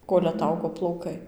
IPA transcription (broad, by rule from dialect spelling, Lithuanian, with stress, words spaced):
ˈkoːlʲ ɐˈtɐʊɡoː plˠɐʊˈkɐɪ